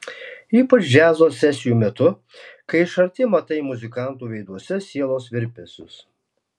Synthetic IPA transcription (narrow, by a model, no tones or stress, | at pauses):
iːpɐt͡ʃʒʲæːzoːsʲɛsʲɪjuːmʲɛt̪ʊ | kɐɪɪʃɐɾʲt̪ʲɪmɐt̪ɐɪmʊzʲɪkɑˑnt̪uːʋʲɛɪd̪uɔsʲɛsʲiɛlˠoːsʋʲɪɾʲpʲesʲʊ̰s